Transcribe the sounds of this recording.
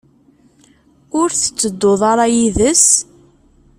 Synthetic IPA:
ʊɾθə̥t͡sːəd̪ːoðˤɑɾˤɑjiðəs

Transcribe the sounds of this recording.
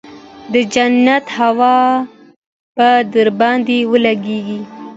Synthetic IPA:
d̪əd͡ʒanat̪hawɑ | pad̪əɾbɑnd̪ewəlaɡeɡi

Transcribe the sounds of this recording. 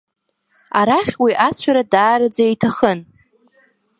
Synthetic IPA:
aɾaχʲwiʔat͡ɕʷʰaɾadaːɾɨd͡zaijtʰaχən

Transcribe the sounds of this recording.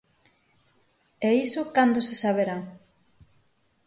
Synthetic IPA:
ɛisokand̪osesaβeɾaŋ

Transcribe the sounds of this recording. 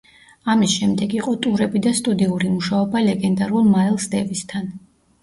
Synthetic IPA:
amisʃɛmd̪ɛɡiqʼɔt̪ʼuɾɛbid̪ast̪ʼud̪iuɾimuʃaɔbalɛɡɛnd̪aɾulˠmaɾɛlˠsd̪ɛvist̪ʰan

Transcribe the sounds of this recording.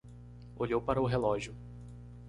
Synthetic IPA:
oʎowpaɾɐʊɦelɔʒjʊ

